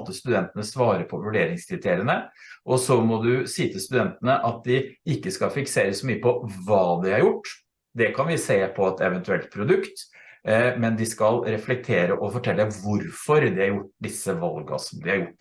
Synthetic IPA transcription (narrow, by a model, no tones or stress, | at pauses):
t̪ːəst̪ʉd̪ɛnt̪ənəsʋɑːɾəpʰɔʋʉɖeːɾɪŋskʰɾɪt̪ʰeːɾɪənəʔɔsɔmɔd̪ʉsiːt̪ʰɪst̪ʉd̪ɛnt̪ənəʔɑt̪̚d̪ɪɪkːəskɑfɪkseːɾəsɔmyːəpʰɔʋɑːd̪ɪhɑɾjʊʈː | d̪ɛkʰɑnʋɪseːpʰɔɛt̪ɛʋənt̪ʉɛlt̪̚pʰɾʊd̪ʉkt̪ | mɛnd̪ɪskɑlɾɛflɛk̚t̪ʰeːɾəʔɔfɔʈʰɛlːəʋʊɾfɔɾd̪ɪhɑɾjʊʈ̚ːd̪ɪsːəʋɑlɡɑ̰sɔmd̪ɪhɑɾjʊʈː